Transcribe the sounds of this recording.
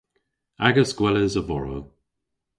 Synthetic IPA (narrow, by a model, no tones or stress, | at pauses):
aɡəsɡwɛləzəvɔɹo̰